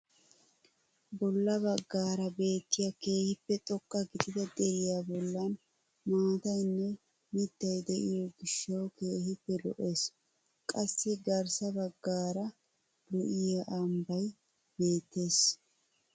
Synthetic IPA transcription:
bɔlːɐbɐɡːaːɾɐbe̞ːt̪ːɪjɐke̞ːhɪpːɛt̪ʼɔkʼːɐɡɪd̪ɪd̪ɐd̪ɛɾɪjabɔlːɐn | maːt̪ɐjnːɛ | mɪt̪ːɐjd̪ɛʔɪjɔɡɪʃːɐwke̞ːhɪpːɛlɔ̰ʔeːs | kʼɐsːɪɡɐɾsɐbɐɡːaːɾɐ | lʊʔɪjaʔɐmbɐj | be̞ːt̪ːe̞ːs

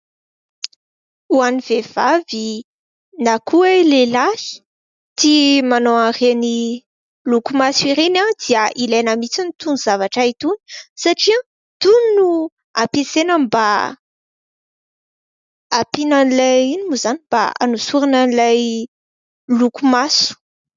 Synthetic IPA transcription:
uaniv̥ev̥avi | nakʰuelelahi̥ | t̪imanoareni | lukumasiɾenad̪̥iəʔilajnəmit͡sanit̪unuzavaʈ͡ʂait̪uni̥saʈ͡ʂia | t̪uninu | apesenəmba | apinanilainimuzaniba̰a̰nusuɾinanilaj | lukumasu̥

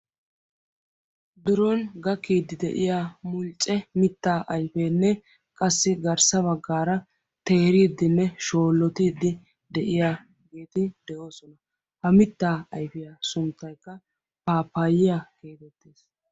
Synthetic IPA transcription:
d̪ʊɾɔnɡɐkːiːd̪ɪd̪ɛ̰ʔɪjaːmʊlt͡ʃʼːɛmɪt̪ːaːʔɐjfeːnːɛ | kʼɐsːɪɡɐɾsɐbɐɡːaːɾɐ | t̪e̞ːɾiːd̪ːɪnːɛʃo̞ːlːɔt̪iːd̪ːɪ | d̪ɛʔɪjaː | ɡe̞ːt̪ɪd̪ɛʔo̞ːsɔnɐ | hɐmɪt̪ːaːɐjfɪjasʊnt̪ːɐjkːɐ | paːpːaːjɪjakeːt̪ɛt̪ːeːs

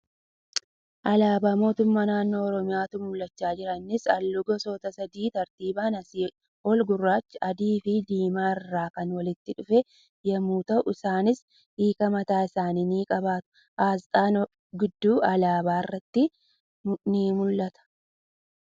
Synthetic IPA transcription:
ʔɐlaːbaːmo̞ːt̪ʊmːaːnaːnːo̞ːɔɾɔmɪjaːt̪ʊmʊlːɐt͡ʃːaːd͡ʒɪɾɐnːɪsɐ̰lːʊɡɔsoːt̪ɐsɐd̪iːt̪ɐɾt̪iːbaːnɐsi | ɔlɡʊrːaːt͡ʃːɪʔɐd̪iːfɪd̪iːmaːɪrːaːkɐnwɐlɪt̪ːɪᶑʊfe | jɐmuːt̪ɐʔʊɪsaːnɪs | iːkɐmɐt̪aːɪsaːniːniːkʼɐbaːt̪ʊ̥ | ʔaːst̪ʼaːn | ɡɪd̪ːuːʔɐlaːbaːɪrːɐt̪ːɪ | niːmʊlːɐt̪ɐ̥

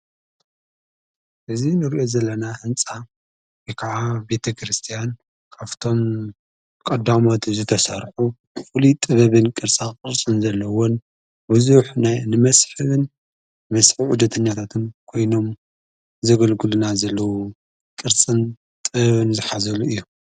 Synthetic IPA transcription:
ʔɨzinɨɾiʔo̞zɐlːɐnahɨnt͡sʼa | wekʰaʕabe̞t̪ʰɐkʰɾɨst̪ʰijan | kʰaft̪ʰo̞m | kʼɐd̪amo̞t̪zɨt̪ʰɐsɐɾħu | fulit̪ʼɨβɐβɨnkʼɨɾt͡sʼakʼɨɾt͡sʼɨnzɐlːɐwon | buzuħnajnɨmɐsħɨβɨn | mɐsħiʕʊd̪ɐt̪ʰɐɲːat̪ʰat̪ʰɨnkʰo̞jno̞m | zɐɡɐlɡɨlunazɐlːɐwu | kʼɨɾt͡sʼɨn | t̪ʼɨβɐβɨnzɨħazɐluɨjːu

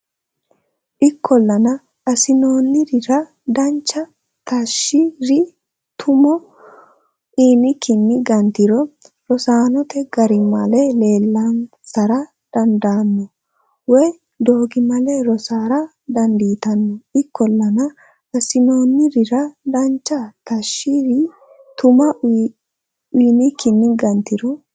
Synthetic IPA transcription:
ʔɪkʰːɔlːɐnɐ | ɐsɪno̞ːnːɪɾɪɾɐ | d̪ɐnt͡ʃːɐ | t̪ɐʃːɪɾɪ | t̪ʰʊmɔ | ʔiːnɪkɪnːɪɡɐnt̪ɪɾɔ | ɾɔsaːnɔt̪ɛɡɐɾɪmɐlɛle̞ːlːɐn | sɐɾɐ | d̪̥ɐnd̪aːnːɔ | wɔj | d̪o̞ːɡɪmɐlɛɾɔsaːɾɐ | d̪ɐnd̪iːt̪ɐnːɔɪkːɔlːɐnɐ | ɐsɪno̞ːnːɪɾɪɾɐd̪ɐnt͡ʃːɐt̪ɐʃːɪɾɪ | t̪ʊmɐ | ʊːnɪkɪnːɪɡɐnt̪ɪɾɔ

